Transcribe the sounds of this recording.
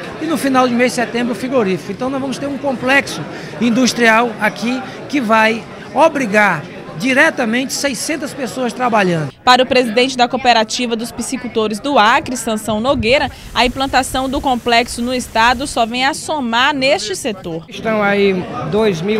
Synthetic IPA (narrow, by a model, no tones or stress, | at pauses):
ɪnʊfinawd͡ʒɪmezd͡ʒɪsɛt̪ẽmbɾʊfɾiɡoɾifikʊẽt̪ɐ̃w̃nɔ̃zvɐ̃mʊst̪eɾũkõplɛksʊ | ĩnd̪ust̪ɾiawaki | kɪvaj | obɾiɡaɾ | d͡ʒiɾɛt̪ɐmẽnt͡ʃɪ̥sejsẽnt̪ɐspesoɐst̪ɾabaʎɐ̃nd̪ʊpaɾɐʊpɾezid̪ẽnt͡ʃɪd̪ɐkopeɾat͡ʃivɐd̪ʊspisikut̪oɾɪzd̪ʊakɾɪsɐ̃sɐ̃w̃noɡejɾɐ | ɐĩplɐ̃nt̪asɐ̃w̃d̪ʊkõplɛksʊnʊɪst̪ad̪ʊsɔvẽj̃asomaɾneʃt͡ʃɪset̪oɾʃt̪ɐ̃w̃aid̪ojzmi